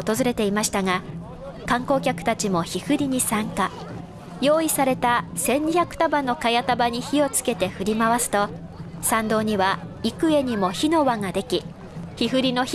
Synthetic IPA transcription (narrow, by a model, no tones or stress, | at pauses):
ot̪o̞zɨɾe̞t̪e̞imaɕi̥t̪aŋa | kãŋko̞ːkʲakɯ̥t̪at͡ɕimo̞çihɯ̟ɾʲiɲ̟isãŋka | jo̞ːisaɾe̞t̪asẽ̞ɲ̟ɲːiçakɯ̟̥t̪abanːo̞kajat̪abaɲ̟içio̞t͡sɨ̥ke̞t̪e̞ɸɯ̟ɾʲimaβasɨ̥t̪o̞ | sãnd̪o̞ːɲ̟iβaikɯ̟e̞ɲ̟imo̞çino̞βaŋad̪e̞kʲi | çiɦɯ̟ɾʲino̞ç